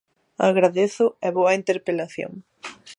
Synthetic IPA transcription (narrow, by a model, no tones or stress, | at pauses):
aɣɾaðeθʊɛβoɐint̪eɾpelaθjo̰ŋ